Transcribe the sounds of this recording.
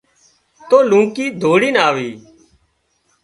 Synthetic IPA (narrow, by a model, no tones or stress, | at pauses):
t̪oːlũːkiːd̪ʱoːɽiːnaːʋiː